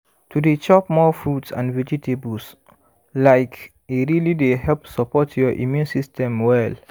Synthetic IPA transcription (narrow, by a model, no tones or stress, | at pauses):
tʰudet͡ʃɔpmɔfɹutsã̰nvɛd͡ʒitʰebus | laɪk | eɹilidehɛlpsɔpʰɔtjɔʔḭmjũnsistʰɛ̃mwɛl